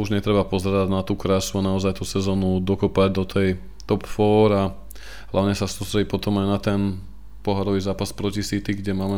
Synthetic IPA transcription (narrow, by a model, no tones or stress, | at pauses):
uʒɲɛt̪ɾɛbapɔzɛɾaɟnat̪uːkɾasuanaɔzajt̪usɛzɔːnud̪ɔkɔpaɟd̪ɔt̪ʰɛj | t̪ɔpfɔːɾa | ɦlaʊɲɛsasust̪ɾɛɟiːpɔt̪ɔmajnat̪ɛn | pɔɦaɾɔʋizaːpaspɾɔcisit̪iɡɟɛmaːmɛ